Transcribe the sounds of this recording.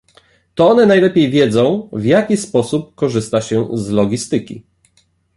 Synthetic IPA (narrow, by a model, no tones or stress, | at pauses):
t̪ɔɔnɛnajlɛpʲjejvʲjɛd̪zɔ̃w̃vjakʲispɔsup̚kɔʐɘst̪aɕɛzlɔɡʲist̪ɘkʲḭ